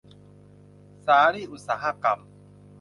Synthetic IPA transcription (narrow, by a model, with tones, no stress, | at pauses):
saː˨ɾi˦ʔu˨sa˨ɦa˦ka˨m